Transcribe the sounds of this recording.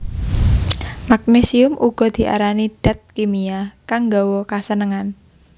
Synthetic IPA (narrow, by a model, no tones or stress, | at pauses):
mak̚nesiʊmʔuɡ̥ɔ̤d̪̥i̤ʔa̰ɾaniɖ̥a̤t̪̚kimiakaŋɡawɔkasənəŋan